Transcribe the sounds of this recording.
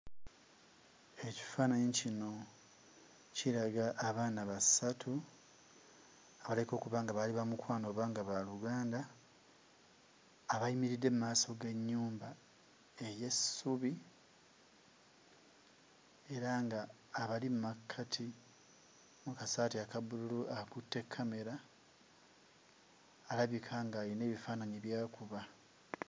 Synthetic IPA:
e̞ci̥faːnaicino̞ | ciɾaɡaʔːβaːnaβasatʰu | aβaleko̞ːkuβaːŋɡaβaliβamukwaːno̞ːβaːŋɡaβaluɡaːnda | βaimiɾidːe̞mumaːso̞ɡe̞ɲːuːmba | e̞je̞suβi | e̞ɾaŋɡaː | βalimumakʰːatʰi | mukasaːtiakabululuʔakutːe̞kʰːame̞ɾa | laβikʰaŋɡaline̞ːβifaːnaɲiβjaːkuβa

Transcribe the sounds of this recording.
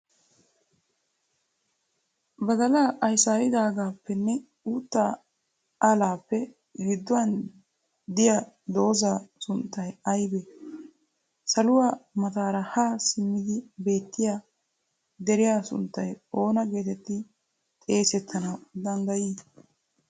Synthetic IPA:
bɐd̪ɐlaːʔɐjsaːjɪd̪aːɡaːpːɛnːɛ | uːt̪ːaː | aːlaːpːɛ | ɡɪd̪ːʊwɐn | d̪ɪja | d̪o̞ːzaːsʊnt̪ːɐjɐjbɛ | sɐlʊwaːmɐt̪aːɾɐhaːsɪmːɪd̪ɪbe̞ːt̪ːɪjaː | d̪ɛɾɪjaːsʊ̰nt̪ːɐjo̞ːnɐɡe̞ːt̪ɛt̪ːɪ | t̪ʼe̞ːsɛt̪ʰːɐnɐwd̪ɐnɡ̪ɐjiː

